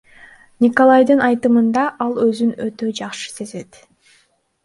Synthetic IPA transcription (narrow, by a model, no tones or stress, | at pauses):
nʲikolˠajd̪ɯnɑjt̪ɯmɯnd̪ɑʔɑlˠøzynøt̪ø̞d͡ʒɑqʃɯ̥se̞ze̞t̪